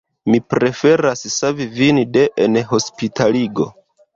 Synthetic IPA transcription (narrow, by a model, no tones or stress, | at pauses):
mipɾe̞fe̞ɾassavivinide̞ʔenɦo̞spitʰaliɡo̞̰